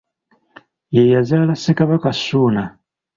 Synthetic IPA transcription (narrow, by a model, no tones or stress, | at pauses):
jɛjazalasikaβakasuna